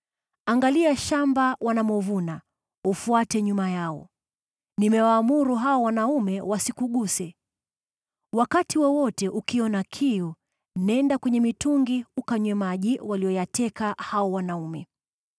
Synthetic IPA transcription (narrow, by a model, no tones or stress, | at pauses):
aŋɡaliaʃambawanamɔvuna | ufuatɛɲumajaɔ̰ | nimɛwaːmuɾuɦaɔwanaumɛwasikuɠusɛ | wakatiwɔwɔtɛʔukiɔnakʰiu | nɛndakwɛɲɛmituŋɡiukaɲwɛmaʄiwaliɔjatɛkahaɔwanaumɛ